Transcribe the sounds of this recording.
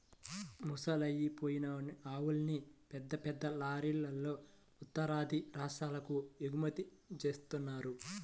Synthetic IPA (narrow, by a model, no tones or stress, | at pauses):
musɐlɐjːipo̞ːjinɐnaːwulɐnipɛd̪ːɐpɛd̪ːɐlaːɾiːlːɐlːo̞ː | ut̪ːɐɾaːd̪ʱiɾaːʂaːlɐkueɡumɐt̪it͡ʃe̞ːst̪unːaːɾu